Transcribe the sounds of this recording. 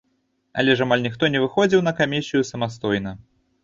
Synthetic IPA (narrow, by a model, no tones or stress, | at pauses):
ɐ̰lʲɛʐamalʲnʲixt̪ɔnʲɛvɨxɔd͡zʲiwnɐkamʲisʲijusɐmast̪ɔjnɐ